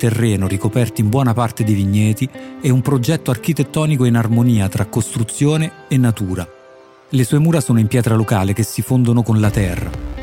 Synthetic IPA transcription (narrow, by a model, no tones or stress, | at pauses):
t̪erːɛːnoɾikopɛrt̪oimbwɔːnapart̪ed̪eviɲːɛːt̪iɛumpɾod͡ʒɛt̪ːoark̟it̪et̪ːɔːnikoinarmoniːat̪ɾakːost̪ɾut̪sːjoːneːnːat̪uːɾa | lesuːemuːɾasoːnoimpjɛːt̪ɾalokaːlek̟esːifond̪onokonlat̪ɛrːa̰